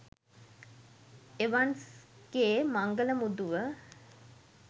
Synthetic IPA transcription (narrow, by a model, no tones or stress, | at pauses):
eʋansɡ̥eːmaŋɡələmud̪uʋə